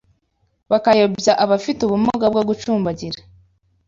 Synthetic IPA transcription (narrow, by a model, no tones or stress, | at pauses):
βakajobjaʔaβafituβumuɡab̚ɡoɡut͡ʃuːmbaɟiɾḁ